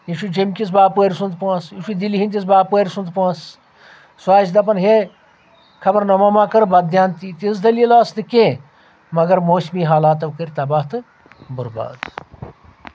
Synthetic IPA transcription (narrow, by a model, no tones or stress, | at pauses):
iʃud͡ʒɐmʲkʲisbaːpuɐɾʲsũnd̪pɐsiʃud̪iliɦinʲt̪ʲis̬baːpɐɾʲsund̪paːs | swaːt͡ʃd̪ɐp̬ɐnɦe | kʰɐbɐɾnɐmɐmaːkɐɾbɐd̪jaːnt̪it̪isd̪ɐlilaːsnɨkʲẽː | mɐɡɐɾmoːsmiːɦaːlaːt̪ɐʋkɐɾʲt̪ɐbaːht̪ɨ | buɾba̰ːd̪